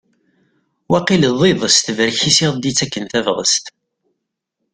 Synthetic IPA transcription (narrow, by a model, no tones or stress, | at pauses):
wæqiləðˤiðˤəst̪vəɾçisiʁˤd̪it͡sːækːənθævʁə̰st̪